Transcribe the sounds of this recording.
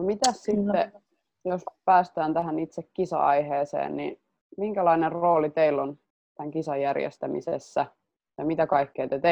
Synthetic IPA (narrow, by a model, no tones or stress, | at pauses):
nomit̪æssit̪ːe | jospæːst̪æːnt̪æhænit̪sekkːisɑ̰ɑ̰iheːsḛːnnḭ | miŋkælɑinerroːlit̪eilːon | t̪æŋkisɑjːærjḛst̪æmḭsesːæ | jɑmit̪ækɑikːeːt̪et̪e